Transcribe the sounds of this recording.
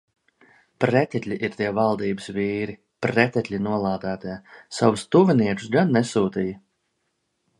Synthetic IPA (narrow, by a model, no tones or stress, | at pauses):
pɾɛt̪ʲɛt̪ʲlʲiʔiɾt̪iɛvalˠd̪iːbəsviːɾi | pɾɛt̪ʲɛt̪ʲlʲinuɔlˠaːd̪æːt̪iɛsawust̪uviniɛku̥sɡanːɛsuːt̪ijɐ